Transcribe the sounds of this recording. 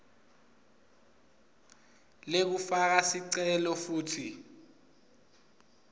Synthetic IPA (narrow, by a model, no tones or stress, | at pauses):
lek̬ufak̬asiǀɛlɔfuːtʰi